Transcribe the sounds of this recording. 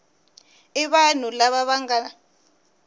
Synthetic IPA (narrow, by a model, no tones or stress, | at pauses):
iβan̤ulaβaβaŋɡana